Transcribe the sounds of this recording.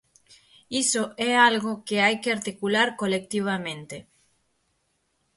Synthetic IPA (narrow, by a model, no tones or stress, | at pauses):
isoʔɛalɣokeajkeaɾt̪ikulaɾkolek̚t̪iβ̞amẽnt̪e